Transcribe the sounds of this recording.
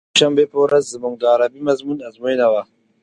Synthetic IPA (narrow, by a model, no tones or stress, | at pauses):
ʃɐmbeɸoɾɐzzimʊŋɡaːɾabimɐzmunazmajnawa